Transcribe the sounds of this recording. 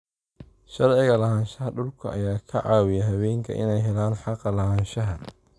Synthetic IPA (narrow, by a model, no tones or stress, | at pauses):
ʃɐrʕɪɣɐlɐhaːnʃɐɦɐɖʊlkʰɐʔɐjaːkʰɐʕɑːwɪjɐɦɐβɛːŋkʰɐ̰ʔɪ̰nɛjɦɛlaːnħɑqɑlɐɦaːnʃɐɦɐ